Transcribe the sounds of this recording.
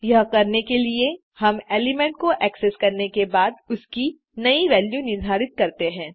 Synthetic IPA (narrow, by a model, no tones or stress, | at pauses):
jɐɦkɐɾnekelie | hɐmeːlɪmɛ̃ɳʈ̚koʔɛːkseskɐɾnekebaːd̪ʊski | nɐiʋɛːljunɪɾd̪ʱaːɾɪt̪̚kɐɾt̪eɦɛ̃ː